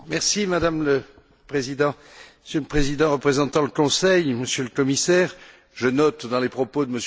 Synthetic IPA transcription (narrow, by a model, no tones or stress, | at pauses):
mɛʁsimad̪amlə | pχezid̪ɑ̃ | məsjøləpχezid̪ɑ̃ʁəpχezɑ̃t̪ɑ̃ləkɔ̃sɛjməsjøləkɔmisɛːʁ | ʒənɔt̪d̪ɑ̃lepχɔpod̪əməs